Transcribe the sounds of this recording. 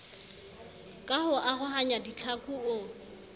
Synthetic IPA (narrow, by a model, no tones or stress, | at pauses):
kʼahʊʔaɣʊɦaɲadit͡ɬʰakʼuʊ